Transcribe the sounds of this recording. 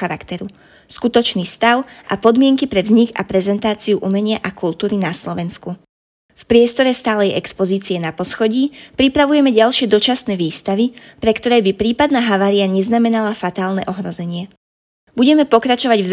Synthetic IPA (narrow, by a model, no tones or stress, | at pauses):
aɾakt̪ɛɾu | skut̪ɔt͡ʃniːst̪aʊʔa̰pɔd̪mɪɛŋkipɾɛvzɲiɡa̰pɾɛzɛnt̪aːt͡siuʔumɛɲɪaʔakult̪uːɾinaslɔʋɛnsku | fpɾɪɛst̪ɔɾɛst̪aːlɛjʔɛkspɔziːt͡siɛnapɔsxɔɟiːpɾipɾaʋujɛmɛɟalʃɪɛd̪ɔt͡ʃasnɛːʋiːst̪aʋipɾɛkt̪ɔɾɛjbipɾiːpad̪naːɦaʋaːɾiaɲɛznamɛnalafat̪aːlnɛ̰ʔɔɦɾɔzɛɲɪɛ | buɟɛmɛpɔkɾat͡ʃɔʋaɟvz